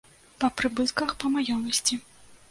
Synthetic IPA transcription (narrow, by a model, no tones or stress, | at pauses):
pɐpɾɨbɨt̪kɐxpɐmajɔmɐsʲt͡sʲi